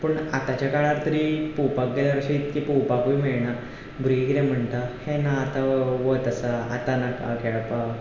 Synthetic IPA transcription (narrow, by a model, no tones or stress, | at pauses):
pəɳat̪at͡ɕjakaɭ̃aɾt̪əɾipuwpak̚ɡeljaɾəɕiːt̪kipuwpakʋiːmeɭɳa | bɾuikiɾɛ̃m̤əɳt̪ahenaːt̪aʋət̪əsəat̪anaka̰kɛɭapa